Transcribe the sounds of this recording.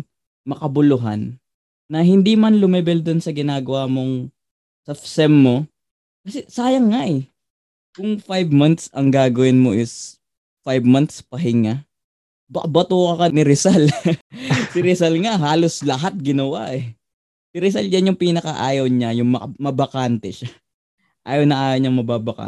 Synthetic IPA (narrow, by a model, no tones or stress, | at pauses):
mɐkɐbʊlʊɦa̰nː | ɐɦɪnd̪imanlʊmɛbɛld̪ʊnsɐɡɪnaːɡɐwamo̞ŋ | sɐfsɛmːo̞ | kɐsɛsaːjɐŋːaʔɛ | kʊŋfajbmant̪sɐŋɡaːɡɐwɪnmoʔɪs | fajbmant̪spɐɦɪŋa | bɐkɐbɐt̪uːkɐkɐnɪɾɪsal | sɪɾɪsɐlŋaɦaːloslɐɦat̪̚ɡɪnɐwa̰ʔɛ | sɪɾɪs̬ald͡ʒɐnjʊŋpiːnɐkɐʔaːjɐwɲajʊŋmɐmɐbɐkant̪ɛʃa | ʔa̰ːjɐwnɐʔaːjɐwɲɐŋmɐbaːbɐka̰